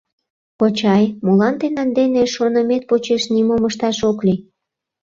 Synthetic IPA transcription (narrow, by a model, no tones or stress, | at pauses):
pot͡ɕɑjmulɑnd̪enænd̪eneʃonəmet̪̚pot͡ɕeʃnimoməʃt̪ɑʃokli